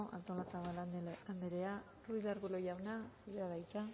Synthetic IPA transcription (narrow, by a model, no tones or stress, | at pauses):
ʔa̰nt̪olasaβaand̪eɾea | ruiðaɾɣulojawnasiðaðajt͡ʃa